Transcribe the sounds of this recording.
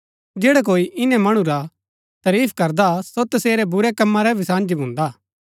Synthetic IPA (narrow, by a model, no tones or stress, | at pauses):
d͡ʒɛːɽak̬oːiʔɪnɛ̃mɐɽ̃ũɾa | t̪ɐɾiːpʰkɐɾd̪asot̪ɐseːɾɛbʊɾɛkɐmːãɾɛʋɪsãːnd͡ʒibʱʊ̃ːnd̪aː